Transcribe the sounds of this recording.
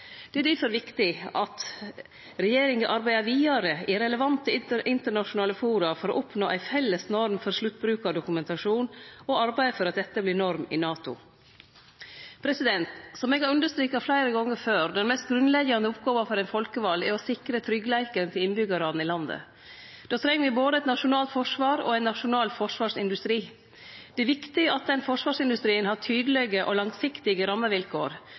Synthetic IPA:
d̪̥ɛæɖ̪ɪfɔɾʋɪkt̪ɪɑt̪ | ɾɛjeːɾɪŋɡəʔɑɾbæɪɑʋiːɑɾəʔɪɾɛləʋɑnt̪əʔɪnt̪əɳɑʂʊnɑːləfuːɾʊɑfɔɾɔ̰ʔʊpnoːʔæ̰ɪfɛlːəsnɔɾmfɔɾʂlʉt̪̚ːbɾʉːkɑd̪ʊkʉmɛnt̪ɑʂuːnɔɑɾbæɪfɔɾɑt̪̚d̪ɛt̪ːəblɪnɔɾmɪ̰nɑːt̪ʊ̰ | pʰɾɛsɪd̪ɛnt̪sɔmɛːɡhɑːɾʉnd̪əʂst̪ɾyːkɑflæɪɾəɡɔŋːəɾføːɾd̪ɛnmɛst̪̚ɡɾʉnlɛɡɑnəʊpɡoːʋəfɔɾɛɪnfɔlkəʋɑlɛɾɔsɪkɾət̪ʰɾʏɡːəlæɪkəɾənt̪ʰɪlɪnbʏɡɑɾɑn̩ɪlɑnd̪ə̰ | d̪̥oːt̪ʰɾɛŋːəɾʋɪboːd̪əɛt̪nɑʂʊnɑːlt̪fɔʂʋɑːɾɔ̰ːɛɪnːɑʂʊnɑːlfɔʂʋɑːʂɪ̰nd̪ʉst̪ɾiː | d̪̥ɛæɾʋɪkt̪ɪəʔɑt̪̚d̪ɛnfɔʂʋɑːʂɪnd̪ʉst̪ɾiːənhɑʈʰyːd̪əlɛɡəʔɔlɑŋsɪkt̪ɪɡəɾɑmːəʋɪlkʰoːɾ

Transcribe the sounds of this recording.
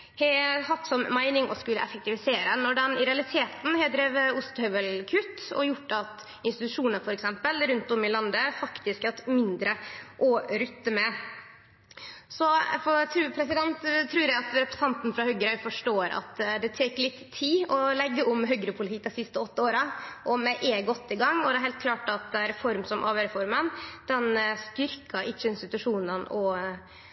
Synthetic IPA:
hɛhɑt̪ːsɔmmæɪnɪŋɔ̰skʉlːə̰ʔɛ̰fək̚t̪ɪʋɪseːɾənɔɖɛnɪɾɛɑlɪt̪ʰeːt̪n̩hɛd̪ɾeːʋəʊst̪hœʋəlkʰʉt̪ːɔ̰jʊʈːɑt̪ | ɪnst̪ɪt̪ʉʂuːnəɾfɔɾɛksɛmpəlɾʉnt̪ɔmːɪlɑnd̪əfɑkt̪ɪskhɑt̪mɪnd̪ɾəʔɔɾʏt̪ːəmɛ | sɔfɔt̪ʰɾʉːpʰɾɛsɪd̪ɛnt̪t̪ʰːɾʉːɾjæɪɑt̪ɾɛpɾɛ̥sɑnt̪n̩fɾɑhœɡɾœʏfɔʂʈoːɾɑ̰t̪d̪ɛt̪ʰeːklɪt̪ʰːiːɔlɛɡːəʔɔmɦœɡɾəpʰʊlɪt̪iːd̪ɛsɪst̪əɔt̪ːəoːɾəʔɔmɛʔeːɡɔt̪ːɪɡɑŋːɔd̪ɛæɾhɛlt̪̚kʰlɑːʈɑt̪̚d̪ɛæɾfɔɾmsɔmʔɑːʋəɾɛfɔɾmənd̪̥ɛnst̪ʏɾkʰɑʔɪt͡ʃːəɪnst̪ɪt̪ʉʂuːnənɔ

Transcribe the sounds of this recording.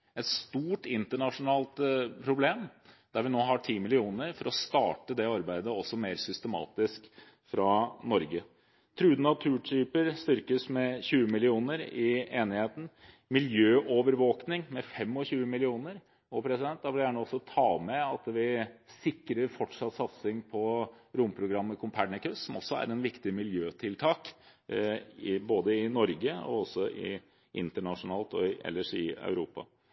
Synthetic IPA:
ɛt̪st̪uːʈɪnt̪əɳɑʂʊnɑːlt̪pʰɾʊbleːmd̪̥æɾʋɪnoːɦɑʈʰiːmɪlɪuːnəɾfɔɾɔst̪ɑːʈəd̪ɛɑɾbæɪd̪əɔsːɔmeːɾsʏst̪əmɑ̰ːt̪ɪsk | fɾɑnɔɾɡə | t̪ʰɾʉːd̪nɑt̪ʰʉːʈʰyːpəɾst̪ʏɾkəsmɛçʉːəmɪlɪuːnəɾɪeːnɪheːt̪n̩ | mɪljøːʔoːʋəɾʋoːknɪŋmɛfɛmːɔçʉːəmɪlɪuːnəɾ | ɔpʰɾɛsɪd̪ɛnt̪̚d̪ɑʋbljænəɔsːɔt̪ʰɑːmɛɑt̪ʋɪsɪkːɾəɾfɔʈʂɑt̪sɑt̪sɪŋpʰɔɾʊmpʰɾʊɡɾɑmːəkʰʊmpʰæɖɳəkʉssɔmɔsːɔæ̰ɾɛnʋɪkt̪ɪmɪljøːt̪ʰɪlt̪ʰɑːk | ɪboːd̪əɪnɔɾɡəɔ̰ɔsɔʔɪ̰ | ʔɪ̰nt̪əɳɑʂʊnɑːlt̪ɔʔɛ̰lːəʂɪ̰ɑ̰ʉɾuːpɑ̰

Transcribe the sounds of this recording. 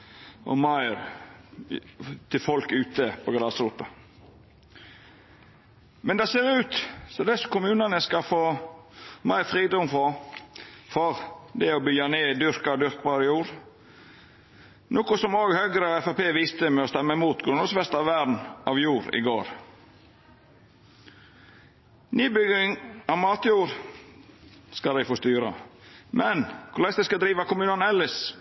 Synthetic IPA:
ʔɔ̰mɑɪɾ | t̪ʰɪlfɔlkʉːt̪əpʰɔɡɾɑːsɾuːt̪ɑ | mɛnd̪ɛseːɾʉːt̪sɔd̪ɛskʊmʉːnɑnəskɑfoː | mæɪɾfɾiːd̪ɔmfɔ | fɔɾd̪ɛɔbʏjɑneːd̪ʏɾkɑd̪ʏɾkbɑɾəjuːɾ | nʔoːkʊsɔmoːɡhøːɡɾəɑʋɛfɑpeːʋɪst̪əmɛɔst̪ɛmːəɛmuːt̪ɡɾʉnəsʋɛst̪ɑʋʋædn̩ɑʋjuːɾɪ̰ɡo̰ːɾ | nyːbʏɡɪŋɑʋmɑːt̪juːɾ | skɑlæɪfɔst̪yːɾɑ̰mʔɛnkʰʊlɛst̪əskɑd̪ɾiːʋɑkʊmʉːnɑnɛləs

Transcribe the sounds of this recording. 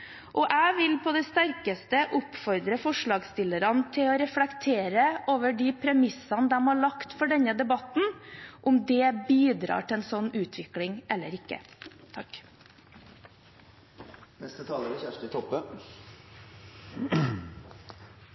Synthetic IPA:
ʔɔʔæːʋɪlpʰɔd̪ɛst̪æɾkəst̪əʔʊpfɔɾd̪ɾəfɔʂɭɑːɡst̪ɪlːəɾɑnt̪ʰɪlɔɾɛflɛkt̪ʰeːɾəʔoːʋəɖipʰɾɛmɪsɑnəd̪ɛmhɑɭɑkt̪fɔɖɛnəd̪ɛbɑt̪n̩ʔʊmd̪ɛbiːd̪ɾɑ̰ːʈʰɪlɛnsɔnːʉːt̪ʰʋɪklɪŋʔɛlːəɾɪkːə̰t̪ʰɑk | nɛst̪ət̪ʰɑːləɾəçæʂʈət̪ʰɔpːə

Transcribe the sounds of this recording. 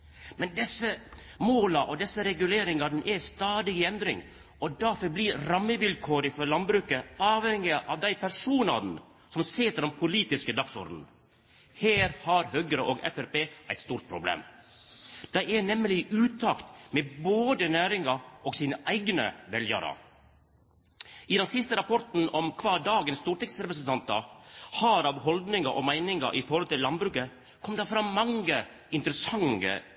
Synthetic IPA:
mɛnd̪ɛsə | moːlɑʔɔd̪ɛsːəɾɛɡʉleːɾɪŋɑd̪n̩ʔɛst̪ɑːd̪ɪɪɛnd̪ɾɪ̰ŋ | ʔɔd̪ɑːfɔɾbliːɾɑmːəʋɪlkʰoːɾɪfɔlɑnbɾʉːkəɑːʋhɛŋɪəʔɑʋd̪æɪpʰæɾʂuːnɑ̰d̪n̩ | sɔmseːt̪əɾɔmpʰʊliːt̪ɪskəd̪ɑksɔ̰ɾd̪n̩ | heːɾhɑɾhøːɡəɾəʔoːɡɛ̰fæɾpeːʔæɪt̪st̪uːɾt̪̚pʰɾʊblḛːm | d̪̥æɪɛnɛmlɪʔʉːt̪ʰɑːkt̪meboːd̪ənæːɾɪŋɑʔɔːɡsiːnəʔæɪɡnə̰ʋɛljɑ̰ɾɑ̰ | ɪd̪ɛnsɪst̪əɾɑpʰɔɾt̪n̩ɔmkʰʋɑːdɑːɡənst̪uːɾʈ̪ɛksɾɛpɾəsnt̪ɑnt̪ɑhɑːɾɑʋhɔld̪nɪŋɑʔɔmæɪnɪŋɑ̰ʔɪfɔɾhɔlt̪ɪlːɑnbɾʉːkə | kʰɔmd̪ɑfɾɑmɑŋə | ɪnt̪əɾəsɑŋə̰

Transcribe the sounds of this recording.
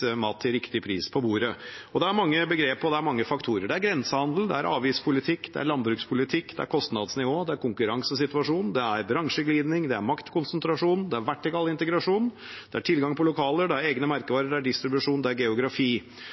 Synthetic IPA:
mɑːt̪ʰːɪɾɪkt̪ɪpʰɾḭːspʰɔbuːɾəɔd̪ɛæɾmɑŋːəbəɡɾeːpɔd̪ɛæɾmɑŋːəfɑkt̪ʰuːɾəɖɛæɾɡɾɛnsəhɑnd̪l̩d̪ɛ̰æ̰ɾɑ̰ːʋiːspʰʊlɪt̪ʰɪkːd̪̥ɛ̰æ̰ɾɭɑnd̪bɾʉːkspʰʊlɪt̪ʰɪkːd̪ɛ̰æ̰ɾkʰɔst̪nɑd̪snɪʋoːd̪ɛæɾkʰʊŋkʉɾɑŋsəsɪt̪ʋɑʂuːnd̪ɛæɾbɾɑŋʂəɡliːd̪nɪŋd̪ɛæɾmɑkt̪kʊnsənt̪ɾɑʂuːnd̪ɛæɾʋæʈːɪkɑlɪnt̪əɡɾɑʂuːn | d̪̥ɛæʈʰɪlɡɑŋpʰɔlʊkʰɑːləɖɛæɾeːɡnəmæɾkəʋɑːɾəɖɛæɖɪst̪ɾɪbʉʂuːnd̪ɛæɾɡɛʊɡɾɑfiː

